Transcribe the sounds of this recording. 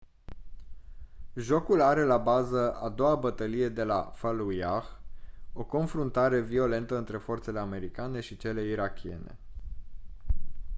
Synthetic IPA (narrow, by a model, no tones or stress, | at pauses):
ʒo̞kulaɾe̞labazəa̰d̪o̞wabət̪əlije̞d̪e̞la̰falujaxo̞ko̞nfɾunt̪aɾe̞vio̞le̞nt̪əɨnt̪ɾe̞fo̞rt̪se̞le̞ame̞ɾikane̞ʃit͡ʃe̞le̞iɾakʲʰie̞̰ne̞̰